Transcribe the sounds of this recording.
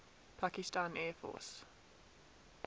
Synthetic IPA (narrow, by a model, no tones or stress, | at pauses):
pʰakɪstãnɛːfɔ̰ːˑs